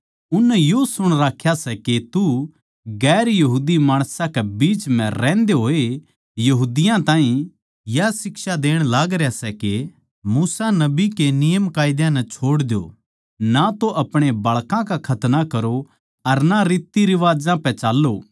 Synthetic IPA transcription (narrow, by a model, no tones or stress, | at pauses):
ʊnːɛjosʊɽ̃ɾaːkʰjasɛket̪u | ɡɛːɾjɐɦuːd̪imaːɽ̃sãkebiːt͡ʃm̤ɛ̃ɾɛ̃ːnd̪eɦoːe | jɐɦuːd̪ɪjãt̪ãːɦĩ | jasɪksad̪eːɽ̃laːɡɾejasɛke | muːsanɐbikenɪjəmkaːɪd̪jãnɛt͡ʃʰoːɽd̪jo̰ː | nat̪oʔɐpɽ̃ebɐɭkãkakʰɐt̪nakɐɾo | ɐɾnaɾiːt̪ːiɾɪʋaːd͡ʒãpɛ̃t͡ʃaːlːoː